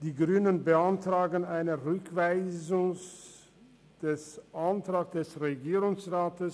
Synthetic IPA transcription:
d̥iːɡʁyːnənbəantʁ̥aːɡən̩aɪnəʁʏkv̥aɪzʊŋs | d̥ɛsʔantʁ̥aːksd̥ɛsʁeɡiːʁʊŋsʁaːtəs

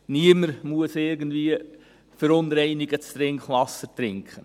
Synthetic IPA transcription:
niəməɾmuəsɪɾɡən̩dviə | fəɾʊnɾɛɪniɡət͡st̪ɾɪŋkχʋɑsːəɾtɾɪŋkχə

